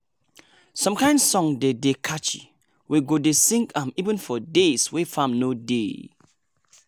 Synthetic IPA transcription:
sɔ̃mkãɪ̃ndsɔ̃ŋdedekʰat͡ʃḭ | wʔeɡodesĩŋkʰãmivə̃nfɔdeswefãmnodḛ

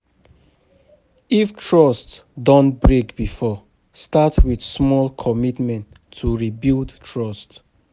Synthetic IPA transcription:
iftʰɹɔstdɔ̃nbɹekbifɔ | statwidsmɔlkʰɔmitmɛ̃ntʰː | uɹibildtʰɹɔst

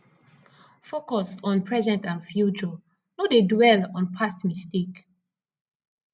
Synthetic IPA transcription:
fokɔsɔ̃npʰɹɛzɛ̃ntãnfjut͡ʃɔ | nodedwɛlɔ̃npʰastmistek

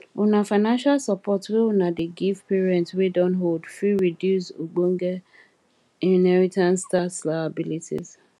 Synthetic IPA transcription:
unafaɪnãnʃalsapɔtweunadeɡivpeɹiɛ̃ntwedɔ̃nɦoldfiɹidjusuɡ͡bõŋɡɛ | ĩnɛɹitʰãnstaslaabilitʰḭz̥

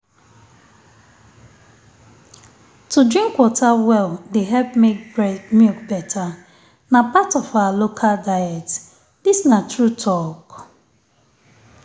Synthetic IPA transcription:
tudɾĩŋkwɔtʰawɛldeɦɛlpemɔkbɛtʰa | napatɔfawalokʰaldajɛt | disnatɹutʰɔk

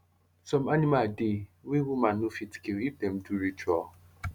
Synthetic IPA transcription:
sɔ̃manĩmadewewumãnːufitkeɾip̚dɛm̩duɾit͡ʃɔ

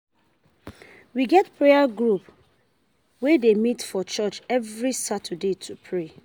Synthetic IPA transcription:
wiɡɛtpɹeaɡɹup | wedemitfɔt͡ʃɔt͡ʃɛvɹisatʰədetʰupʰɹe

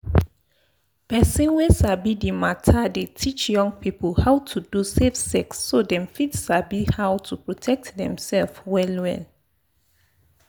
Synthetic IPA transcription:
pɛsĩnwesabidimatʰadetʰit͡ʃjɔ̃ŋɡ̚pipəlhaʊtʰudusefsɛksːodɛ̃mfidsabihawtʰupɹotʰɛk̚tdɛ̰̃msɛlfwɛlwɛ̰l

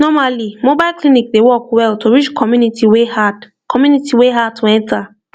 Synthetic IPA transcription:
nɔmalimobaɪlklinik̚dewɔkwɛltʰoɹit͡ʃkʰɔmunitiwehad | kʰɔmjunitiweɦad̚tʰoɛ̃nta

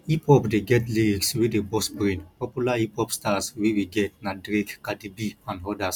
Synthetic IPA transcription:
ipʰɔpdeɡɛtliɾikswidebɔsbɹĩnpɔpjulaipɔpstaswiwiɡɛt̚nadɾekkadibiãnɦɔdas

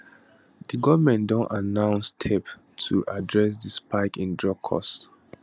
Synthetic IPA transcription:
dəɡɔvmɛ̃ndɔ̃nanãʊ̃nstʰɛp | tʰuʔadɹɛs̬dispaɪkĩndɹɔkʰːɔ̰s

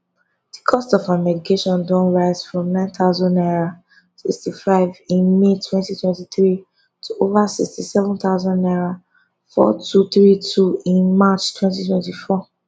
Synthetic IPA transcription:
d̥ikʰɔstɔfamɛdikʰeʃɔ̃ndɔ̃nɹaɪz̥fɹɔ̃mnãɪ̃nθaʊzɔ̃ndaɹa | sikstifaɪvĩnmetʰwɛ̃ntitwɛ̃ntiθɹi | tʰuovasḭkstisɛvɔ̃nt̪aʊzɔ̃naɹa | fɔ̰tʰuθɹitʰuĩnmat͡ʃtʰwɛ̃ntitwɛ̃ntifɔ

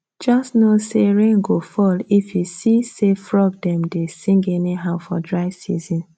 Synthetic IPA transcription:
d͡ʒɔstnoseɾeŋɡofɔlifjusisefɾɔɡ̚dɛmdesĩŋɡeniɦaʊfɔdɹaɪsizĩn

